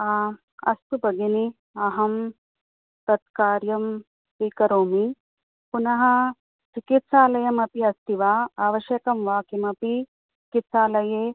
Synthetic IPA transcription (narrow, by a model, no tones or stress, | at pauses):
aː | ɐ̰st̪ubɐɡini | ɐɦɐm | t̪ɐt̪̚kaːɾjɐm | ʋiːkɐɾoːmi | punɐɦɐ̆ | t͡ʃikit̪saːlɐjɐmɐpiɐst̪iʋaːaːʋɐʃjɐkɐmʋaːkimɐpi | t͡ʃt͡ʃikit̪saːlɐjeː